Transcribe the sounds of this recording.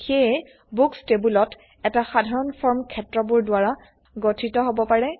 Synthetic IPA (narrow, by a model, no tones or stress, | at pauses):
xejɛ | bukstebulɔt | ɛtaxadʱaɹɔnpʰɔɹmkʰɛtɹɔbuɹdwaɹa | ɡotʰitɔɦobɔpaɹɛ